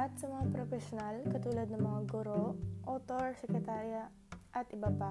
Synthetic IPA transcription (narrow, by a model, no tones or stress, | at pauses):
ɐt̪̚sɐmɐŋapɾofɛʃonalkɐt̪uːlɐd̪̚nɐŋmɐŋaɡʊɾoʔoːt̪oɹsɛkɾɛt̪aːɾja | ʔɐt̪ʔɪbapa